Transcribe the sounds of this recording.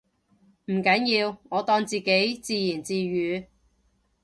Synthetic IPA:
m̩˨˩kɐ˨˥njiː˧wŋɔː˨˧t̪ɔː˧ŋt͡siː˨ke˨˥jt͡siː˧jiː˨˩nt͡siː˧ɥyː˨˧

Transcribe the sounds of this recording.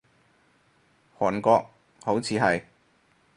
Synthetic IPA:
hɔː˨˩nkɔː˧k̚ | ho˨˥wt͡sʰiː˨˥ɦɐ˨j

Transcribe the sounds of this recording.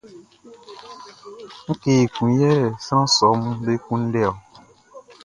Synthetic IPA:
ŋ̩˦ke˨kũ˨jɛ˦ɾɛ˨sɾ̃ã˦sɔ˨˦mũ˦be˦kũ˦n̩˦ɖɛ˦ɔ˨

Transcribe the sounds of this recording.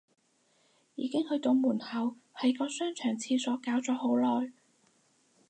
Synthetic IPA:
jiː˨˧˥kɪ˥ŋhɵ˧ɥt̪o˧wmuː˨˩nhɐ˨whɐ˨˥jkɔː˧sœː˥ŋt͡ʃʰœː˨˩ŋt͡sʰiː˧sɔː˨˥kaː˨˥wt͡sɔː˨˥ho˨˥wlɔː˨j

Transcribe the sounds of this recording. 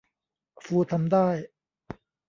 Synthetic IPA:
fuː˧t̪ʰa˧md̪aː˥˩j

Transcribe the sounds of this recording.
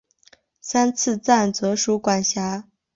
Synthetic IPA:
sa˥nt͡sʰɹ̩˥˧t͡sa˥˩nt͡sɤ˧˥ʂu˧˥kwa˨˩nɕja˧˥

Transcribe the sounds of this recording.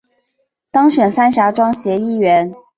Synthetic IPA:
t̪ɑ˥ŋɕɥɛ˨˩nsa˥nɕja˧˥ʈ͡ʂwɑ˥ŋɕjɛ˧˥i˥˩ɥɛ˧˥n

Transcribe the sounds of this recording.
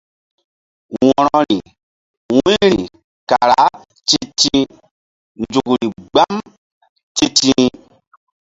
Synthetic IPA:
wɔ˨ɾɔ˦ɾi˨ | wũ˦ɾi˨ | ka˨ɾa˨˦ | t͡ʃi˦ti˦ | nd͡ʒu˨kɾi˨ɡ͡ba˦m | ti˦ti˦

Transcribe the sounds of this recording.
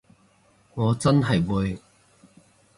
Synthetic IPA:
ŋɔː˨˧t͡sɐ˥nɦɐ˨jwuː˨˧j

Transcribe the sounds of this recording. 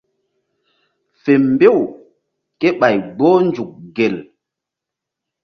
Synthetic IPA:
fe˨mbe˦˨w | ke˦ɓa˨jɡ͡boː˦nd͡ʒu˨k̚ɡe˨l

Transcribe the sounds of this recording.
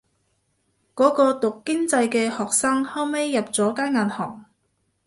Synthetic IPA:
kɔː˨˥kɔː˧t̪ʊ˨kːɪ˥ŋt͡sɐ˧jkɛː˧hɔː˨k̚saː˥ŋhɐ˥wme˥jːɐ˨p̚t͡sɔː˨˥kaː˥nŋaː˨nhɔ̰ː˨˩ŋ

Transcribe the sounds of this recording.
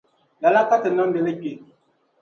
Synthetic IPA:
la˨la˦ta˦tə˨nɔ˦bɛ˨lə˦k͡pi˨

